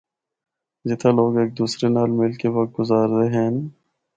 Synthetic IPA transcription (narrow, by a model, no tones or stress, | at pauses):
zɪt̪ʰaloːɡeːk̚d̪uːsɾenaːlmɪlkeʋɐk̚t̪̚ɡʊzaːɾt̪eɦɛ̃ːn